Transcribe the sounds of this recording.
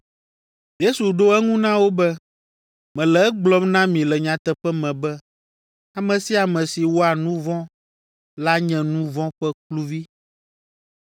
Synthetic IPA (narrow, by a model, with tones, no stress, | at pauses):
je˦su˨ɖo˦ɛ˦ŋũ˦nã˦wo˦bɛ˦ | mɛ̃˨lɛ˨ɛ˦ɡ͡blɔ˦mnã˦mĩ˨lɛ˨ɲã˨t̪ɛ˨ɸɛ˦mɛ̃˨bɛ˦ | a˨mɛ̃˨si˦a˨mɛ̃˨si˨wɔ˦a˨nũ˦vɔ̃˦ | la˦ɲɛ̃˨nũ˦vɔ̃˦ɸɛ˦klu˦vi˦